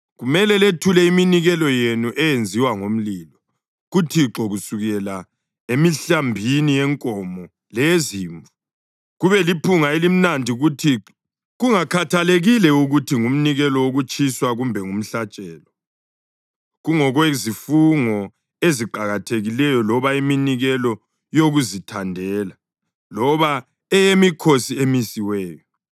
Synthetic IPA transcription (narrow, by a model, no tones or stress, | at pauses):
ɣumɛlɛletʰulɛiminiɣɛlɔjenuʔɛjend͡zʱiwaŋom̩liːlɔ | ɣutʰiǁɔɣusuɣɛla | emiɬambʱiniɛŋkʼɔmɔ | lɛziːɱvu | ɣuβɛlipʰuŋaelim̩nandʱiɣutʰiɔ | ɣuŋakʰatʰaleɣilɛuɣutʰiŋum̩niɣɛlɔwoɣut͡ʃʼʰiswaɣumbʱɛŋum̩ɬat͡ʃʼɛːlɔ | ɣuŋɔɣwezifuŋɔ | eziǃaɣatʰeɣilɛjɔlɔβaiminiɣɛlɔ | joɣuzitʰandʱɛːla | lɔβa | ɛjemikʰosiemisiwɛːjɔ